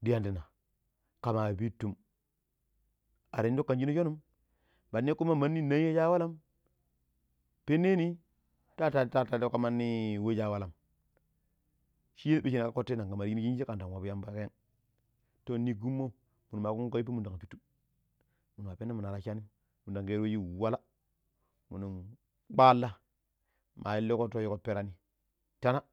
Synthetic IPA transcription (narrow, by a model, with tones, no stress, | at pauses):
di˦ja˦ndi˨na˨ | ka˨ma˨bi˦tːu˦˨m | a˨ɾi˨n˦do˦kːa˨nd͡ʒi˦no˦ʃo˦nu˦m | ba˨n˦e˦ku˦ma˦ma˦nːi˦na˦je˦d͡ʒa˦wa˦la˦m | pe˦ne˦ni˦ | ta˦ta˦ta˦ta˨do˦ka˦ma˦nːi˦˨we˦d͡ʒa˦˨wa˦la˨m | ʃi˦je˦be˦ʃi˦na˨ka˦ko˦tːe˦na˨ɡa˨ma˨˦ji˦n˦ji˦d͡ʒe˦ka˨n˨ta˨n˨wa˨bu˦ja˦mba˦ka˦ja˦ŋ | to˦˨ni˦ɡu˦mːo˦˨ | mu˨nu˨ma˨ku˦ŋ˦ko˦i˦p̬i˦mu˨da˨ŋa˨pi˦tːu̥˦ | mu˨nu˨m˨a˨pe˦nːa˦mu˨na˨ɾa˦˨ʃa˦ni˦ | mu˨da˨ŋke˦ɾe˦ji˦˨wa˦la˦ | mṵ˨nu˨m | k͡pa˦lːa˦ | mʔa˨ji˦lːe˦ko˦to˦ji˦ko˦pe˦ɾa˦ni˦ | ta˦na˦